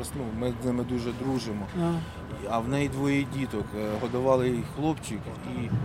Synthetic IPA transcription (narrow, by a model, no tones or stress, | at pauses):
snumɪznɪmɪd̪uʒɛd̪ɾuʒɪmɔ | ɐwnɛjd̪ʋɔjidʲit̪ɔkɦɔd̪ɐʋɑlˠɪxlˠɔpt͡ʃik | i